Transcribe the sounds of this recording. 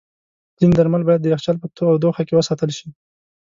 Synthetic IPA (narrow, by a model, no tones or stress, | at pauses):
z̥ind̪aɾmalbɑjad̪̚ːəjaxt͡ʃalpət̪oawd̪oxakewəsɑt̪əlʃi